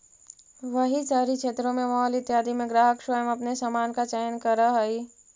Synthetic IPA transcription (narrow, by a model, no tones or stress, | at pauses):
ʋəɦisaːɾikʃʰeːt̪ɾõmẽmɔɦlɪt̪jaːd̪imẽɡɾaːɦəkʃəjəmɐpnesamaːnkat͡ʃɛjnkəɾəɦəi